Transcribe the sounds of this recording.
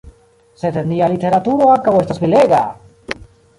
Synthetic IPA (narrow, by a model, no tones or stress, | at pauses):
set̪end̪ialit̪eɾat̪uɾoakaβoest̪asβileɣa